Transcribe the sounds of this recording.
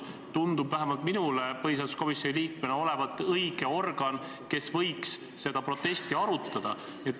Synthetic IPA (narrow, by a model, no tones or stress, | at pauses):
t̪und̪̥ubvæɦemɑlt̪minulepɤɦis̬ɑld̪usko̞misːonʲiliːkmeneo̞le̞vɑt̪ːˑɤjɡ̥e̞o̞rɡ̥ɑn | ke̞svɤjksː | e̞d̪̥ɑpro̞t̪ːˑe̞st̪iɑɾut̪ˑːɑd̪̥ɑ | niet̪ː